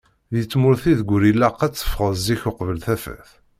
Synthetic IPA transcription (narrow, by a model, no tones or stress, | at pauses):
ðjət͡sːmʊɾθiðɡʷɾilæqːæt͡sːə̥fʁəzziçʊqvəlθæfæ̰θ